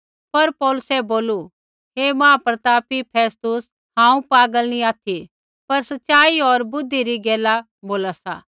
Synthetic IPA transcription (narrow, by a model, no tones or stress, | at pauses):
pɐɾpɔːlʊsɛboːlu | ɦeːmãːpɾɐt̪aːpipʰeːst̪ʊs | hãːũpaːɡəlnĩaːt̪ʰi | pɐɾsɐtːʃaːiɔɾbʊd̪ʱːiɾiɡɛːla | boːlasa̰ː